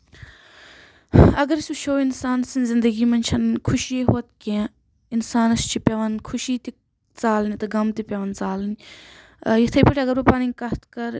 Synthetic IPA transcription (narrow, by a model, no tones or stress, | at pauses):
ɐɡɐɾisʲuʃʰoːinsaːnsinʲzɪnd̪əɡiːmɐnt͡ʃʰɐnkʰʊʃieɦoːt̪kẽ | ɪnsaːnɐst͡ʃʰipʲɐʋɐnkʰʊʃiːt̪i | t͡saːlnit̪ɨɡɐmt̪ipʲɐʋɐnt͡saːlnʲ | jit̪ʰɐjpiʈʰʲɐɡɐɾupaːninʲkɐht̪kɐɾ